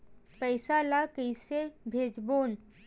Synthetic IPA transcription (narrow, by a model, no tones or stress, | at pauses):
pɛɪsalakəɪsebʱeːd͡ʒboːn